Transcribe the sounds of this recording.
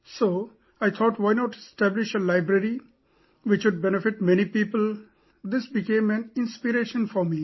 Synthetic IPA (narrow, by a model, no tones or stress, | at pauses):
soː | ajt̪ʰɔːʈwaɪnɔːʈɪsʈæblɪʃelaɪbɾəɾi | ʋɪt͡ʃʋʊɖ̚bɛnɪfɪʈmɛnipiːpəl | d̪ɪsbɪkẽːmæ̃nɪ̃nspiɾeːʃə̃nfɔɾmiː